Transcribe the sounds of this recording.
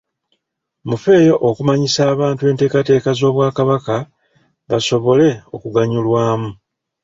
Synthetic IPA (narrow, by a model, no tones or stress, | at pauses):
mufe̞ːjo̞ʔokumaɲisaːβaːntue̞ːnte̞ːkate̞ːkazo̞ːβwaːkaβaka | βaso̞βo̞le̞o̞kuɡaɲulwaːmu